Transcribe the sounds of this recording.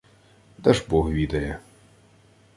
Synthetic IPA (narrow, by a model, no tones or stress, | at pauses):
d̪ɐʒbɔɦʋʲid̪ɐjɛ